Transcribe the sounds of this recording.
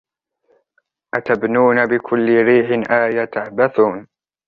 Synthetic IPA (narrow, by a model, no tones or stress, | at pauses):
ʔat̪abnuːnabɪkʰʊlːɪɾiːħɪnʔaːjat̪aħbaθuːn